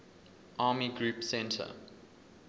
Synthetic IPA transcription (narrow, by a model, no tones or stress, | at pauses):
ʔɑːmiɡɹuːˑpsɛ̃ntʰə̰